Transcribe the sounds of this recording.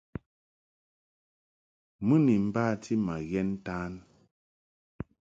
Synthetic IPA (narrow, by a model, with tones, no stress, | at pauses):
mɨ˦ni˨m̩˨baː˦˨tʰi˦ma˨ɣɛ˦n˦taː˦n